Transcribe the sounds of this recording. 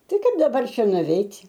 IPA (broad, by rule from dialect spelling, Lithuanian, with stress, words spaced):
ˈtɐɪ ˈkɐɪp dɐˈbɐr ˈʃʲɛ nʊʋʲɛɪtʲ